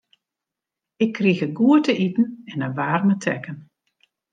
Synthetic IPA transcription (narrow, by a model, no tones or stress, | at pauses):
ɪkʰːriɣəɡuətəʔitn̩ɛnəʋaːrmətʰɛ̰kən